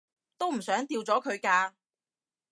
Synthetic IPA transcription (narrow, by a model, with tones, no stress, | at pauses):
t̪o˥wm̩˨˩sœː˨˥ŋt̪iː˧wt͡sɔː˨˥kʰɵ˨˧ɥkaː˧